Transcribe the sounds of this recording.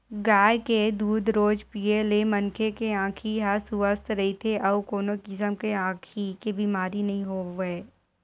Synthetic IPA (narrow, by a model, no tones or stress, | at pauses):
ɡaːjked̪uːd̪ʱɾoːd͡ʒpiːelemɐnkʰekeãːkʰiɦɐsʊʋəst̪ʰɾɐɦit̪ʰeʔɔːkoːnokɪsəmkeãːkʰikebimaːɾinɐɦĩɦoːʋeː